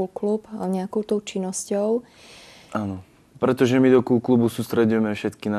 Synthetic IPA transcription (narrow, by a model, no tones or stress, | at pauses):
lklupaɲɛakɔʊt̪ɔʊt͡ʃinːɔscɔʊ | ʔanɔ | pɾɛt̪ɔʒɛmid̪ɔkulklubusuːst̪ɾɛɟujɛmɛfʃɛt̪kina